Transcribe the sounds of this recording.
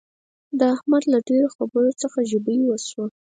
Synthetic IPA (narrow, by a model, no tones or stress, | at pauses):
d̪əahmad̪laɖeɾoxabəɾot͡səxaʒəbəjwəswa